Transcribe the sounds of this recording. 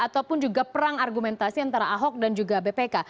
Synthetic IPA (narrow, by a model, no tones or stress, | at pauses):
at̪awpʊnd͡ʒuɡapəɾaŋarɡumɛnt̪asiant̪aɾaʔaɦɔk̚dand͡ʒuɡabepeka